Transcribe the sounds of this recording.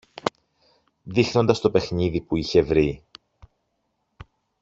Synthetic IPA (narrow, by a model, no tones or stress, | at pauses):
ðixno̞nd̪ɐst̪o̞pe̞xniðipuiçe̞vɾi